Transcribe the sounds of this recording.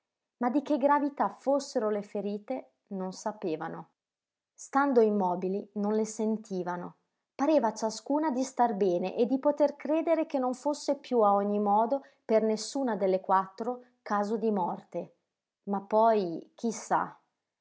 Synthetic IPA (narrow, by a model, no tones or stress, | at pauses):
mad̪ik̟eɡɾavit̪afosːeɾolefeɾiːt̪e | nonsapeːvano | st̪and̪oimɔːbilinonlesent̪ʰiːvano | paɾeːvat͡ʃaskuːnad̪ist̪arbɛːnḛʔed̪ːipot̪erkɾeːd̪eɾek̟enːoɱfosːepjuaɔɲːimɔːd̪o | pernesːuːnad̪elːekwat̪ːɾo | kaːzod̪imɔrt̪e | mapːɔjk̟ʰisːa̰